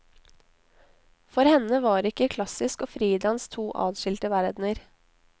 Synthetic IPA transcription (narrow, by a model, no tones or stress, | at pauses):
fɔɾhɛnəʋɑːɾɪkəkʰlɑsɪskoːfɾiːd̪ɑnst̪ʰuːʔɑ̰ːd̪ʃɪlt̪əʋæɾd̪nəɾ